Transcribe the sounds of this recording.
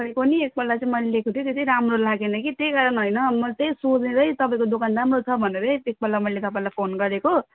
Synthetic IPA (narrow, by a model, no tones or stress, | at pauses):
paĩkoniek̚bʌlːat͡sãĩmʌjllekot̪ʰjot̪etʌ̃ɾamrolaɡenʌkit̪jejɡaɾʌnɦʌjnʌmʌt̪ejsod͡zneɾʌjt̪ʌpaĩkod̪okanramrot͡sʰʌbʱʌneɾʌjek̚bʌlːamʌilet̪ʌpaĩlajpʰonɡʌɾeko